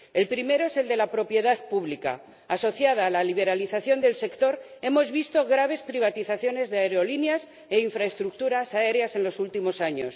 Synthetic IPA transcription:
e̞lpɾime̞ɾo̞ese̞ld̪e̞lapɾo̞pje̞ðaðpuβlika̰ː | so̞θjað̞aːlaliβe̞ɾaliθaθjo̞nd̪e̞lse̞kt̪o̞ɾe̞mo̞zβist̪o̞ɣɾaβ̞e̞spɾiβ̞at̪iθaθjo̞ne̞zðeaeɾeo̞linjas | e̞iɱfɾaest̪ɾuk̚t̪uɾasae̞ɾease̞nlo̞sult̪imo̞saɲo̞s

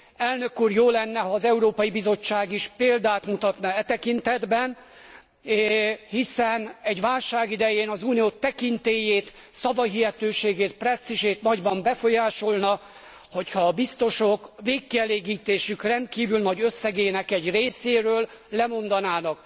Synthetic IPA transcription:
ɛlnø̞kːuːrjoːlɛnːɛɦɒːzɛuɾoːpɒjibizo̞t͡ʃːaːɡiʃpeːld̪aːt̪mut̪ɒt̪nɒɛt̪ɛkint̪ɛd̪bɛn | hisɛnɛɟʋaːlʃaːɡid̪ɛjeːnɒzuːnijoːt̪ɛkint̪eːjeːt̪ | sɒvɒɦiɦɛt̪øːʃeːɡeːt̪̚prɛst̪iʃeːt̪nɒɟbɒmbɛfo̞jaːʃo̞lnɒ | ho̞chɒːbist̪o̞ʃo̞kveːkːiɛleːɡiːt̪eːʃykrɛnt̪̚kiːvylnɒɟø̞sːɛɡeːnɛkɛɟreːseːɾøːllɛmo̞nd̪ɒnaːnɒk

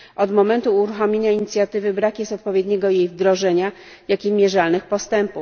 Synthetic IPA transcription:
ʔɔd̪mɔmɛnt̪uːɾuxɔmʲjeɲaiɲit̪sʲjat̪ɘvɘbɾakjɛst̪ɔt̪̚pɔvʲjed̪ɲɛɡɔjejvd̪ɾɔʐɛɲa | jakʲimʲjɛʐalnɘxpɔst̪ɛmpu

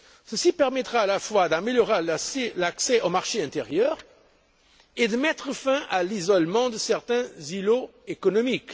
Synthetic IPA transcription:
səsipɛʁmɛt̪ʁaalafwad̪ameljɔʁeselaksɛʔomaʁʃeɛ̃t̪eʁjœːʁ | ed̪əmɛt̪χəfɛ̃ʔalizɔlmɑ̃d̪əsɛʁt̪ɛ̃ziloekɔnɔmik

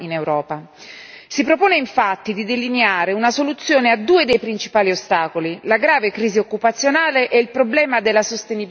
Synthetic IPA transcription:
inewɾɔːpa | sipɾopoːneiɱfat̪ːid̪id̪elineaːɾeunasolut̪sːjoːnead̪ːuːed̪ejpɾint͡ʃi̥paːliost̪aːkolilaɡɾaːvekɾiːziokːupat̪sːjonaːleʔɛilpɾoblɛːmad̪elːasost̪enib

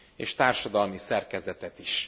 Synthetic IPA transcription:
eːʃt̪aːrʃɒd̪ɒlmisɛrkɛzɛt̪ɛt̪iʃ

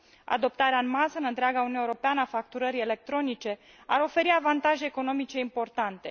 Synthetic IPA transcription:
a̰d̪o̞p̚t̪aɾeaɨnmazɨnɨnt̪ɾeaɡaunuewuɾo̞peanəafak̚t̪uɾəɾiele̞k̚t̪ɾo̞nit͡ʃe̞ | aɾo̞fe̞ɾiavant̪aʒe̞ːko̞no̞mit͡ʃe̞impo̞rt̪ant̪e̞̰

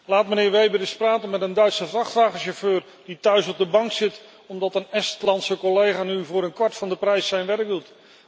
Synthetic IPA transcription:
laːtmənɪːɹʋejbədɪspraːtənmɛtəndœɥtsəvrɑχtʋaːχəʃoføːɹ | d̥itœɥsɔb̚dəbɑŋksɪt | ɔmdɑtənɛstlɑntsəkɔlejχaːnyvʊːɾənkʋɑɹtfɑndəprɛjsːɛjnʋɛrk̚dut

